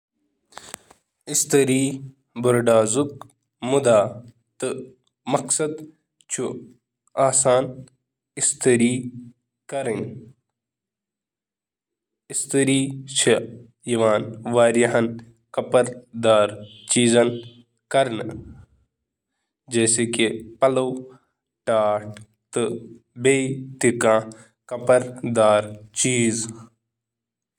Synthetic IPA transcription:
ɪst̪ɐɾiː | bɐɾɖaːzuk | mud̪aː | t̪ɨ | mɐksɐd̪ | t͡ʃʰu | aːsaːn | ɪst̪ɐɾiː | kɐɾin | ɪst̪ɐɾiːt͡ʃʰe | jɐʋaːnʋaːɾiɦɐn | kɐpəɾd̪aːɾt͡ʃiːzɐn | kɐɾn | d͡ʒɛːsekepɐlow | ʈaːʈ | t̪ɨ | beːt̪ikãː | kɐpəɾd̪aːɾt͡ʃiːz

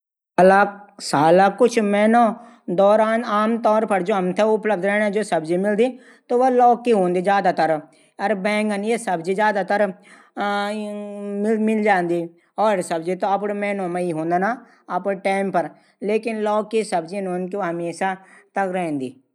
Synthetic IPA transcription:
lasaːlakʊt͡ʃʰmɛːno | d̪ɔːɾaːnaːmt̪ɔːɾpɐɾd͡ʒoːɦɐmt̪ʰeʊpləb̚d̪ɾɛnd͡ʒoːsɐbd͡ʒimɪld̪i | t̪oʋolɔːkːiɦõːnd̪id͡ʒjaːd̪at̪ɐɾ | ɐɾbɛ̃ːŋkɐnjesɐbd͡ʒid͡ʒjaːd̪at̪əɾ | mɪlmɪld͡ʒãːnd̪i | ɔːɾsɐbd͡ʒit̪oɐpɽmɛːnõmaiɦõːnd̪ana | ɐpʈaːɪmpɐɾ | leːkɪnlɔːkːisɐbd͡ʒinõːnkiɦɐmeːʃat̪ɐkɾɛɦɛ̃nd̪iː

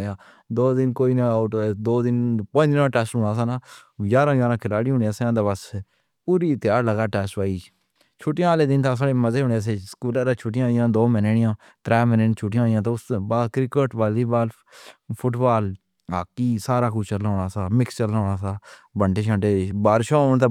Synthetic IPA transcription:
jãː | d̪oːd̪ɪnkoːiːnaʊʈd̪oːd̪ɪnpə̃ːd̪nãːʈɛːsʈɦʊːnaːs̬aːnaː | d͡ʒaːɾãːd͡ʒaːɾãːkʰɪlaːɽiːɦʊ̃ːɳaːsãːd̪abəs | puːɾiːt̪ɪjaːɾləɡaːʈɛːsʈpaːiː | t͡ʃʰuːʈːjãːaːleːd̪ɪnt̪ʰaːs̬aːɽeːməzeːɦʊ̃ːɳaːs̬eːskuːlaːɾaːt͡ʃʰʊʈɪjãːɪjãːd̪oːmɛneɽɪjãː | t̪ɾɛːmɪnet͡ʃʰuʈɪjãːjãːt̪̬oʊsbaːdkɾɪkəʈʋaːliːbaːl | pʰʊʈbaːl | aːkːiːsaːɾaːkʊt͡ʃəlɦoːɽaːsaːmɪkst͡ʃəlːɦoːɽaːsaː | bəɳɖeːʃãːʈeːbaːɾʃoːʊɳt̪aː

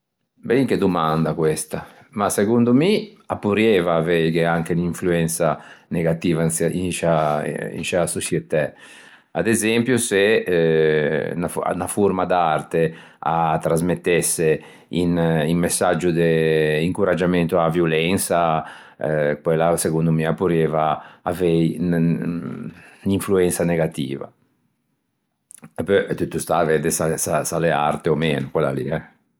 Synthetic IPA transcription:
bɛŋk̟ed̪umand̪akwɛst̪a | masekund̪umi | apːuɾjɛvaːvɛkeaŋk̟eniɱfluɛnsaneɡat̪iːvasḭnʃa̰ḭnʃasot͡ʃjɛt̪ːɛ | a̰d̪ezɛmpjuse | nafnafuɾmad̪art̪e | a̰t̪ːɾazmet̪ːɛsːe | iniŋmesːad͡ʒud̪eiŋkuɾad͡ʒamɛnt̪uavjulɛnsa | kwɛlaseɡund̪umiapuɾeːvaːvɛjn | niɱfluɛnsaneɡat̪ḭːva̰ | pøt̪ut̪ːust̪avɛd̪esasasalea̰ɾt̪eomeːnukwɛlːa̰lḭɛ

